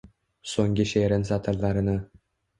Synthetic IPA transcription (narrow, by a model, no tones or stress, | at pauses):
soŋʲɡʲiɕeɾʲɘ̆nʲzɑt̪ʰɤ̆rlˠɑɾɤ̆nɤ̆